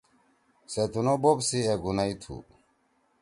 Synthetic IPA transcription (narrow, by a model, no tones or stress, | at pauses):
set̪unobobsieɡunait̪ʰṵ